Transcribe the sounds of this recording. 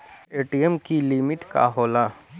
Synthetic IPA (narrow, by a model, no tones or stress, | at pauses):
eːʈiemkilɪmɪʈka̰ɦoːlaː